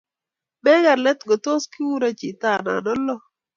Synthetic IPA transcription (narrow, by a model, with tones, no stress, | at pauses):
mɛ˦ɡa˨ɾlɛ˦t̪ɡɔ˨to˦skɪ˦wu˦ɾa˦t͡ʃi˨ta˨na̰˨nɔ˦lɔ˦